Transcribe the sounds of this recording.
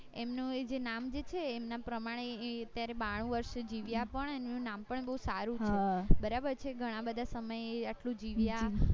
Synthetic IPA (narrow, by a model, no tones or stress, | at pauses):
emnũed͡ʒenamd͡ʒet͡ʃʰeːmnapɾəmaɽ̃eət̪jaɾebaɽ̃ũʋəɾʃd͡ʒiʋjapəɳənũnampəɳebəɦusaɾũɦʰebəɾabəɾt͡ʃʰeɡʱəɽ̃ãbəd̪ʱasəməjeaʈlũd͡ʒiʋja